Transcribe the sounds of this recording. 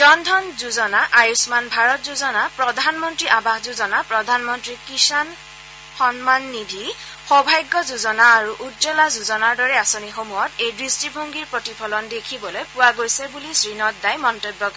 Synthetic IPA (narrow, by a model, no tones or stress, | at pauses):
d͡ʒɔndʱɔnzuzɔnaʔajusmanbʱaɹɔt̚zuzɔnapɹɔdʱanmɔntɹiʔabaxzuzɔnapɹɔdʱanmɔntɹikisan | xɔnmanːidʱi | xɔbʱajɡːɔzuzɔnaːɹuʔutzɔlazuzɔnaɹdɔɹɛasonixomuɔtejdɹistibʱoŋɡiɹpɹotipʰɔlɔndekʰibɔlojpʊwaɡojsɛbulisɹinɔt̚dajmɔntobːɔk